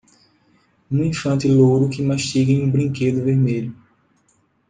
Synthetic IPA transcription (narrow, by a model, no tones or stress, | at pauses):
ũĩfɐ̃nt̪ɪlowɾʊkɪmaʃt̪iɡɐ̃j̃ũbɾĩŋked̪ʊveɾmeʎʊ